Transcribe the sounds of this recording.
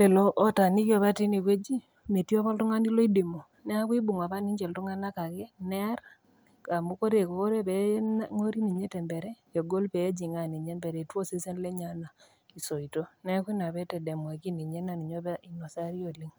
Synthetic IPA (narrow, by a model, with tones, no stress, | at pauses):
le˨lɔ˦ʔːta˨ni˦kjɔ˨βa˦ti˦ni˨kwe˦d͡ʒi˦ | me˨tjo˦pa˦ltu˦ŋa˦ni˦li˦di˨mo˨ | nɛ˦a˦kwi˦bu˨ŋa˨pa˦ni˦ɲt͡ʃɛ˨ltu˦ŋa˦na˦ka˨kɛ˦nɛ˦a˦ɾ | ka˨mu˦ko˦ɾe˨ko˨ko˦ɾe˦pɛ˨nŋo˦ɾi˦ni˨ɲe˦tɛ˨mbe˨ɾɛ˦e˨ɡo˦lpe˨˦d͡ʒi˨ŋa˨ni˨ɲe˦mbɛ˨ɾe˨two˦se˦se˦nle˦ɲa˨˦na˨ | i˨so˨i˨to˦nɛ˦a˦ki˦na˨βɛ˦tɛ˨dɛ˨mwa˨ki˦ni˨ɲe˦na˨ni˨ɲo˦ba˦i˨no˨sa˦ɾi˦o˨li˦ŋ